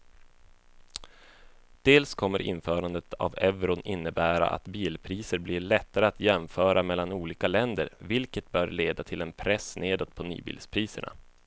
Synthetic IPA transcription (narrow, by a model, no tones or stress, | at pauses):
d̪̥eːlskʰɔmːəɾʔɪ̰nfœːɾand̪ət̪ʰa̰vɛvɾʊnʔɪnːəbæːɾa̰ʔa̰t̪biːlpʰɾiːsəɾbliɭɛt̪ːaɾəat̪ʰjɛmfœːɾamɛlːanuːliːkalɛnd̪ə̰ɾvɪlkət̪̚bœːɾɭeːd̪at̪ʰɪlɛnpʰɾɛsneːd̪ɔt̪̚pʰɔny̰ːbḭːlspʰɾiːsə̰ɳʔa̰